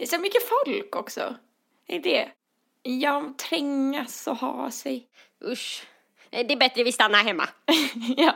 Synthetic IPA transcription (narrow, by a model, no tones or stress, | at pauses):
d̪ɛsɔmʏkːəfɔlkɔksɔ̰ | d̪ɛɪ̰nt̪d̪ɛ | jɑt̪ʰɾɪŋːasɔhɑ̰ːsɛj | ʔɵʂ | ɛd̪ɛːbɛt̪ɾəvɪst̪anːaɦɛmːa̰jɑː